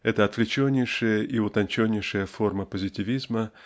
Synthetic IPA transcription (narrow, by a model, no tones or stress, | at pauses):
ɛt̪əɐt̪vlʲɪt͡ɕonʲːɪjʂɨjəʔiʊt̪ɐnʲt͡ɕonʲːɪjʂɨjəfo̞rməpəzʲɪtʲɪvʲizmə